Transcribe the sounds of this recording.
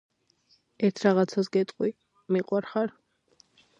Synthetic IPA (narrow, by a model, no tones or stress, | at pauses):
ɛɾt̪ʰɾaʁat̪sʰasɡɛt̪ʼqʼwi | miqʼwaɾχaɾ